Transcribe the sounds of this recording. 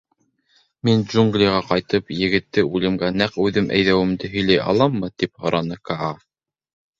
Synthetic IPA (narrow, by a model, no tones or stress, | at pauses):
mind͡ʒuŋɡlʲijʁɑqɑjt̪ɤpjɘ̆ɡɘ̆t̪ːɘʉlɘ̆mɡænæqʉðɘmʔæ̰jðæwɘ̆md̪ɘɦɵ̆jlæjɑ̰lˠɑmːɤt̪iphŏɾɑnɤkɑɑ